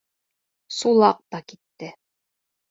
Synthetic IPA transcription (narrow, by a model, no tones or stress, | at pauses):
sulˠɑq̚t̪ɑkit̪ːɘ